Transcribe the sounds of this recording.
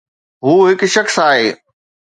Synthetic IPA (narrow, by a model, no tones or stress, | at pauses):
ɦuːɦɪkʃɐxsaːɦeː